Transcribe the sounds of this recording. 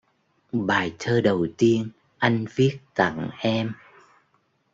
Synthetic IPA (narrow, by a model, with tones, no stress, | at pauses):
ɓaː˨˩jt̪ʰəː˧ɗə˨˩wt̪i˧ən | ʔa˧jŋ̟vi˦˥ət̚t̪a̰˧˨ŋʔɛ˧m